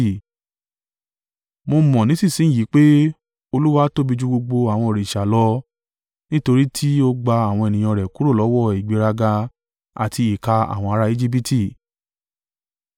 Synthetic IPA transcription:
mo˧mɔ̃˨nĩ˨˦si˦˨sĩ˨˦˨ji˨˦k͡pe˦ | o˧lu˦wa˦to˦bi˧d͡ʒu˦ɡ͡bo˧ɡ͡bo˧a˨w̃ɔ̃˧o˨ɾe˨i˨ʃa˨lɔ˦ | nĩ˦to˧ɾi˦tʰi˦o˧ɡ͡ba˧a˨w̃ɔ̃˧e˨nĩ˨ɔ̃˧˨ɾɛ˨ku˨˦ɾo˦˨lɔ˨˦wɔ˦˨i˨ɡ͡be˨˧˦ɾa˧ɡa˧ | a̰˨tʰi˧i˨ka˧a̰˨w̃ɔ̃˧a˧ɾa˦˧i˦d͡ʒi˦bi˦tʰi˦˨

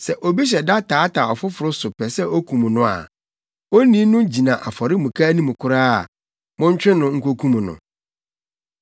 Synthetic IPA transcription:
sɛ˨ʔo˨bi˦ɕ̬ɛ˨da˦tʰaː˨˦tʰa˨ɔ˨fʊ˦fʊ˨ɾʊ˦sʊ˨pʰɛ˨sɛ˦o˦kʰũ˨mũ˨nʊ̃˨a̰˨ | o˦nĩ˦nʊ̃˦d͡ʑi˨nã˨ʔa˨fɔ˨ɾɪ˦mũ˨kʰa˦nĩ˦mũ˨kʰʊ˦ɾaː˦a˨ | mʊ̃˦ɲ˦t͡ɕᶣɪ̃˦nʊ̃˨ŋ̩˦˨kʰo˦kʰũ˦mũ˨nʊ̰̃˨

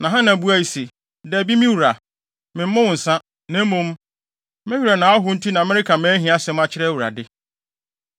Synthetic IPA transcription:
nã˨ɦã˦nã˨bu˦æ˦˨i˨se˨ | dɛ˨bi˦mɪ̃˦wu˨ɾa˨ | mɪ̃˨m̩˦ʊ̃˦wʊ̃˨n̩˨sã˦ | næ̃˦mũ˦m | mɪ̃˦hi˦ɾa˨nã˨˦a˦ɦʊ˦n̩˦tʰi˦nã˨mɛ˦ɾɪ˦kʰa˨mɛ̃ː˦ɦĩ˨˦a˦sɛ̃˨˦mã˦t͡ɕʰɪ˦ɾɛ˦wu˨ɾa̰˨dɪ˦

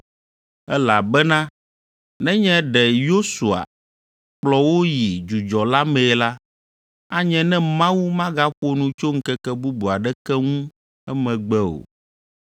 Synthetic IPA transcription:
ɛ˦la˨bɛ˦nã˦ | nɛ̃˦ɲɛ̃˦ɖɛ˨jo˦su˨a̰˨ | k͡plɔ˦wo˦ji˨d͡ʒu˨d͡ʒɔ˨la˦mɛ̃˨la˦ | a˦ɲɛ̃˨nɛ̃˦mã˦wu˦mã˦ɡa˦ɸo˦nũ˨t͡ʃo˦ŋ̩˦kɛ˦kɛ˦bu˦bu˨a˨ɖɛ˦kɛ˦ŋũ˦ | ɛ˦mɛ̃˨ɡ͡bɛ˦o̰˨

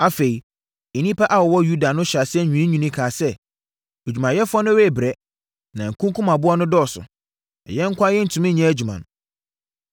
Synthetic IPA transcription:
a˨fe˨i˨ | e˨nĩ˦pʰa˦ʔa˨wɔ˨wɔ˦ju˦da˨nʊ̃˦ɕa˨sɪ˦ɛ˦˨ɲᶣũ˨ĩ˦ɲᶣũ˨nĩ˦kʰaː˨sɛ˦ | o˨d͡ʑᶣu˨mã˨jɛ˦fʊ˦ɔ˦nʊ̃˦ɾe˦˨bɾɛ˦ | nã˨ŋ̩˨kʰũ˦ŋkʰũ˦mã˨bʊ˦ɔ˦nʊ̃˦dɔː˦˨sʊ̰˨ | ɛ̰˨jɛ̃˦ŋ̩˦kʷa˦jɛ˦n̩˦˨tʰũ˨mĩ˦ɲɛ̃˦æ˦d͡ʑᶣu˨mã̰˨n˨

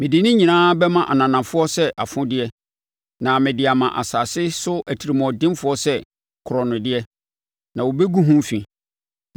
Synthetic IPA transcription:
mɪ̃˨di˨nɪ̃˦ɲĩ˨nãː˦bɛ˦mã˦ʔa˨nã˨nã˨fʊ˦ɔ˦sɛ˦ʔa˨fʊ̃˦dɪ˦ɛ˦ | nã˨mɪ̃˨dɪ˨a˨mã˨ʔa̰˨saː˨sɪ˦sʊ˦æ˨tʰi˨ɾi˨mɔ̃˨dɪ̃˦mfʊ˦ɔ˦sɛ˦ | kʰʊ˨ɾɔ˨nʊ̃˨dɪ˦ɛ˦ | nã˨wo˨be˦ɡu˦ɦũ˦m˦fĩ˨

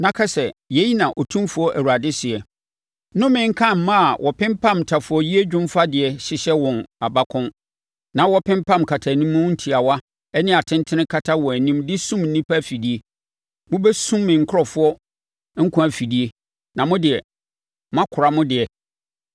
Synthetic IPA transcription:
nã˨kʰa˦sɛ˨jɛ˦ji˦nã˨ʔɔ˨tʰũ˦mfʊ˦ɔ˦ʔæ˨wu˨a˨dɪ˦sɪ˨ɛ˨ | nʊ̃˦mɪ̃˦ŋ̩˦kʰã˦˨m̩˨mã˦a˨wʔɔ˨pʰɪ̃˦mpʰã˦˨m˨tʰa˨fʊ˨ɔ˦ji˦e˦d͡ʑᶣʊ̃˦m˦fa˦dɪ˨ɛ˨ɕɪ˨ɕɛ˦wɔ̃˨na˨ba˦kʰʊ̃˦n | nã˨wɔ˦pʰɪ̃˦m˦pã˦˨mkʰa˨tʰa˨nĩ˦mːʊ̃˦n̩˦tʰi˨a˨wa˦ | ɛ˦nɪ̃˦a˨tʰɪ̃˦n˦tʰɪ̃˦nɪ̃˦kʰa˦tʰa˦wɔ˨æ˨nĩ˦mdɪ˦sũ˦mn̩ː˨ĩ˦pʰa˦˨fi˨di˦e˦ | mʊ̃˦bɛ˦sũ˦mːɪ̃˨ŋ̩˨kʰʊ˦ɔ˨fʊ˦ɔ˦ | ŋ̩˦kʰʊ̃˦æ˨fi˨di˦e˦ | nã˨mʊ̃˦dɪ˨ɛ˨ | mã˦kʰʊ˨ɾa˨mʊ̃˦dɪ˨ɛ˨

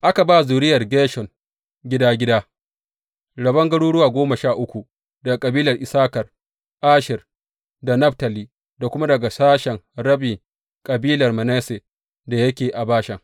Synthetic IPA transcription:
ʔa˦ka˨baː˦˨zuː˨ɾɪ˦jɐ˨rɡeː˦ʃɔ˨ŋ | ɡʲɪ˦daː˦ɡʲɪ˦daː˦ | ɽɐ˨bɐ˦ŋɡɐ˦ɽuː˦ɽʊ˦waː˨ɡʷoː˦mɐ˨ʃaː˦˨ʔʊ˦kʷu˨ | dɐ˨ɡa˨kʼɐ˨biː˦lɐ˨rʔɪ˨saː˦kɐ˨r | ʔaː˦ʃɪ˨r | da˨nɐ˦ɸtɐ˨liː˨ | da˨kʷʊ˦ma˦dɐ˨ɡa˨saː˦ʃɛ˨ŋɾɐ˦bɪ˨ŋ | kʼɐ˨biː˦lɐ˨rmɐ˨nɛ˦se˨ | da˨jɐ˦kʲeː˨ʔa˨baː˦ʃɐ˨ŋ

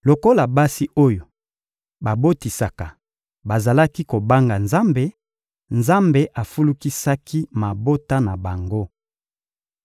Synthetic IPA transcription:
lo˨ko˦la˨ba˦si˦ʔo˦jo˨ | ba˨bo˦ti˨sa˨ka˨ | ba˨za˨la˦ki˦ko˨ba˦ŋɡa˨nza˦mbe˨ | nza˦mbe˨ʔa˨fu˦lu˦ki˦sa˦kʰi˦ma˨bo˦ta˦na˨ba˨ŋɡo˦

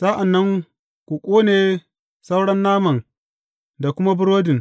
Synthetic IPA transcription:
saː˦ʔa˨nːɐ˦ŋ | kʷu˨kʷʼoː˦neː˨ | sa˦wɽɐ˦nːaː˦mɐ˨ŋ | da˨kʷʊ˦ma˦bʊ˦ɽoː˦dɪ˨ŋ

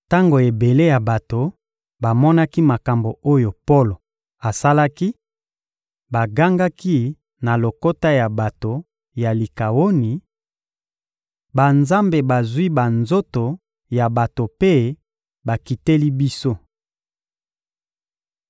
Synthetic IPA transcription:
ta˦ŋɡo˨e˨be˨le˦ja˨ba˨to˨ | ba˨mɔ˦na˦ki˦ma˨ka˨mbo˨o˦jo˨po˦lo˨ | a˨sa˦la˦ki˦ | ba˨ɡa˦ŋɡa˦ki˦ | na˨lo˨ko˦ta˦ja˨ba˨to˨ | ja˨li˨ka˨wo˦ni˨ | ba˨nza˦mbe˨ba˨zwi˦ba˨nzo˦to˨ | ja˨ba˨to˨pe˦ | ba˨ki˨te˦li˦bi˦so˦

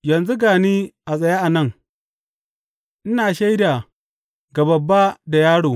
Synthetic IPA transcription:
jɐ˨nzu˦ɡaː˨niː˦ʔa˨sʼɐ˨ja˦ʔa˨nɐ˦˨ŋ | ʔɪ˦naː˨ʃa˦jda˨ | ɡa˨bɐ˨bːa˦da˨jaː˦ɽoː˨

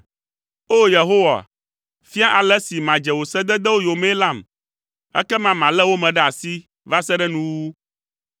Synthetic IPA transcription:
o˦je˨ɦo˦wa̰˨ | fi˦a˦ʔa˨lɛ˦si˨mã˨d͡ʒɛ˨wo˨sɛ˦d̪ɛ˦d̪ɛ˦wo˦jo˨me˦la˦˨m | ɛ̰˦kɛ˦mã˨mã˨lɛ˦wo˦mɛ̃˨ɖɛ˦a˨si˦ | va˦sɛ˦ɖɛ˦nũ˦wu˦

